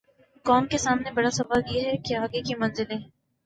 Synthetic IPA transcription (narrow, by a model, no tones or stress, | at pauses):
kɔːmkesaːmnebɐɽasɐʋaːljeɦɛkeaːɡekimɐ̃nzɪlẽ